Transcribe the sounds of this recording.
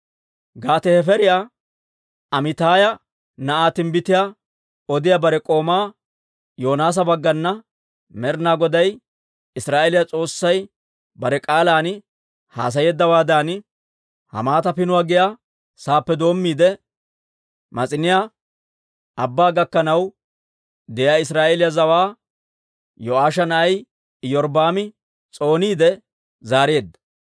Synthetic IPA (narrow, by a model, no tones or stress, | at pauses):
ɡaːt̪ɛhɛfɛɾɪjaː | ɐmɪt̪aːjɐ | nɐʔaːt̪ɪnbɪt̪ɪja | ɔd̪ɪjabɐɾɛkʼo̞ːmaː | joːnaːs̬ɐbɐɡːɐnːɐ | mɛɾnaːɡɔd̪ɐj | ɪsɾaːʔɛlɪjat͡sʼo̞ːsːɐj | bɐɾɛkʼaːlaːn | ha̰ːs̬ɐjɛːd̪ːɐwaːd̪aːn | hɐ̰maːt̪ɐpɪnʊwaːɡɪja | saːpːɛd̪o̞ːmːiːd̪ɛ | mɐt͡sʼɪnɪja | ɐbːaːɡɐkːɐnɐw | d̪ɛjaːɪs̬ɾaːʔelɪjazɐwaː | jɔʔaːʃɐnɐʔɐj | jɔɾbaːmɪ | t͡sʼo̞ːniːd̪ɛ | zaːɾe̞ːd̪ːɐ̥